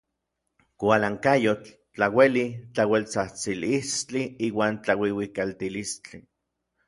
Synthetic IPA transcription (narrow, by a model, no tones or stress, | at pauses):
kʷalaŋkajot͡ɬ | t͡ɬawelit͡ɬawelt͡saht͡silist͡ɬiiːwaːnt͡ɬawiwikalt̪ilist͡ɬi